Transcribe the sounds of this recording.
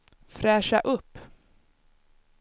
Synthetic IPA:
fɾɛːʂaʔɵpː

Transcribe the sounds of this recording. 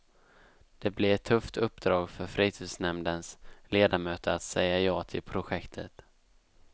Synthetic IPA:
d̪̥ɛblɪɾɛt̪ʰːɵft̪ʰɵpːd̪ɾɑːɡfœɾfɾiːt̪ʰiːd̪snɛmd̪ənsleːd̪amøːt̪əɾat̪sɛjːajɑːt̪ʰɪlpʰɾʊɧɛkt̪ʰət̪

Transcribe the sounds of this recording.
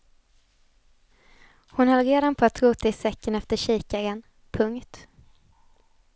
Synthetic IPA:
hʊnhalɾeːd̪anpʰɔat̪ʰːɾʉːt̪aɪsɛkːənɛft̪əʂiːkaɡən | pʰɵŋkt̪

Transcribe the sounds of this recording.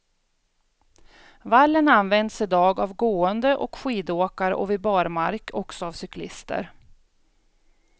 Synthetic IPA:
valːənanvɛnd̪sɪd̪ɑːɡavɡoːənd̪əʔɔkɧiːd̪oːkaɾ̰ʔɔvɪbɑːɾmaɾkʰɔksɔavsʏklɪst̪ə̰ɾ

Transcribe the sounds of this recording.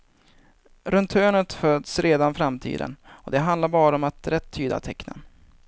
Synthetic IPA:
ɾɵnt̪ʰøːɳət̪føːd̪sɾeːd̪anfɾamt̪ʰḭːd̪ə̰nɔd̪ɛɦand̪laɾbɑːɾəɔmat̪ɾɛt̪ʰːyːd̪a̰t̪ʰɛknə̰n

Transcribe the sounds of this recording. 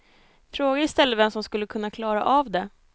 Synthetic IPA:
fɾoːɡaɪst̪ɛlːəvɛmsɔmskɵlːəkʰɵnːakʰlɑːɾa̰ʔavd̪ɛ

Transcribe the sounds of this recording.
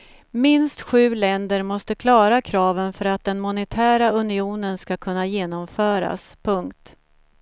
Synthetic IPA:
mɪnst̪ɧʉ̟ːlɛnd̪əɾmɔst̪əkʰlɑːɾakʰɾɑːvənfœɾat̪̚d̪ɛnmʊnɛt̪ʰæːɾaɵnɪuːnənskakʰɵnːajeːnɔmfœːɾa̰spʰɵŋkt̪

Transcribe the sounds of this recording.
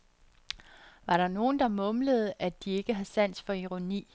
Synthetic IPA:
ʋɑ̈ɾ̥ɑ̈no̝ːn̩d̥ɑ̈mɔ̽mləð̞̩ˠʔæd̥ie̝ɡ̥əɦæðˠsæn̰sfɒ̽iʁo̝nḭː

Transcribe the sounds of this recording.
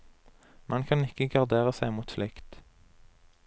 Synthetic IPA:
mɛnkʰɑnɪkəɡɑʁd̪eːʁəsæɪmuːt̪flɪkt̪

